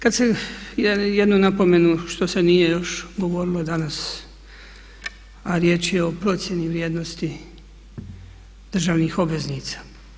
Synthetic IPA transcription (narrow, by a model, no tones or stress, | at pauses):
kad̪sejjed̪nunapo̞me̞nuʃt̪o̞se̞nije̞jo̞ʃɡo̞ʋo̞ɾilˠo̞d̪anas | aɾje̞ːt͡ʃjeo̞pɾo̞t̪sje̞niʋɾjeːd̪no̞st̪i | d̪̥r̩ʒaːʋnixo̞bʋe̞zniːt̪sḁ